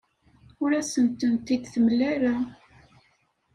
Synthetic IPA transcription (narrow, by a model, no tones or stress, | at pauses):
ʊɾæsənt̪ənt̪id̪θəmlːæɾa